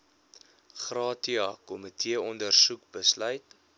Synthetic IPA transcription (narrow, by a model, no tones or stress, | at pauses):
χrɑːtiɑkɔmətʰiəɔndərsukbəslœɥt